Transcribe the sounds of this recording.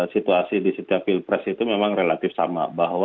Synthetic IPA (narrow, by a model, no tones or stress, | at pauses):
sit̪uasidisit̪iapilpɾɛsit̪umemaŋrelat̪ɪfsa̰ma̰baɦw